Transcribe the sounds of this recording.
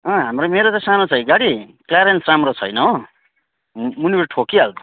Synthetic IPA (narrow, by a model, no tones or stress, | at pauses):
ʌ̃ɦamromeɾot͡sãsanot͡sʰʌjɡaɽiklaɾensramrot͡sʰʌ̰jnʌõ | munibeʈʰokiald̪o